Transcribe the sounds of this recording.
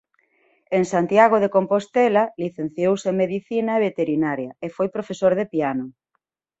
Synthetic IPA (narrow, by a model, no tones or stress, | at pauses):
eŋsant̪jaɣ̞oðekompost̪ɛlaliθen̟θjowseŋmeðiθinɐeβ̞et̪eɾinaɾjɐefojpɾofesoɾðepiano